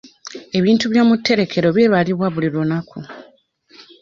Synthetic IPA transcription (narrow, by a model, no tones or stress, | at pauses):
e̞βiːntuβjo̞ːmutːe̞ɾe̞kʰe̞ɾo̞βje̞βaliβwaβulilunakʰu